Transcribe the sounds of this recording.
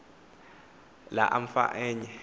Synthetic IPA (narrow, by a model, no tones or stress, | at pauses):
laʔam̩fa̰ʔeɲɛ